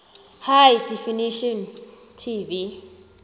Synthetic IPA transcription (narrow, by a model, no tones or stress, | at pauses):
hajdɛfiniʃɔn | tʰivi